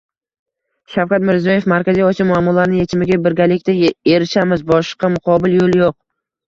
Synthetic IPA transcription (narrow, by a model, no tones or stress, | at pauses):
ʃawkʲat̪mɪɾzijɒje̞fmaɾkʲazijɒsiamʊamːɒlaɾnɪŋje̞t͡ʃʰɪmɪɡʲabɪɾɡʲalɪkʲt̪ae̞ɾɪʃamɪzbɒʃqɑmʊqʰɒbɪljolˠjoq̚